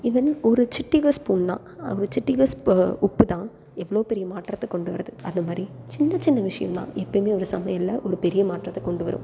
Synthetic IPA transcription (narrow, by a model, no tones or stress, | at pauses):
iːʋɐnɔɾɯt͡ʃɪʈːɪɣɐspuːnnã̰ːɔɾɯt͡ʃɪʈːɪɣɐsʊpːɯt̪ãː | ɛʋːɐɭoːpɛɾɪjɐmaːʈrɐt̪ːɐkːɔɳɖɯʋɐɾɐðɯɐnd̪ɐmaːd̪ɾit͡ʃɪnːɐt͡ʃɪnːɐʋɪʂɐjɐ̰mlã̰ːʔɛpːɐmeːɔɾɯsɐmɐjɐlːɐʔɔɾɯpɛɾɪjɐmaːʈrɐt̪ːɛkɔɳɖɯʋɐ̰ɾɯ̰̃m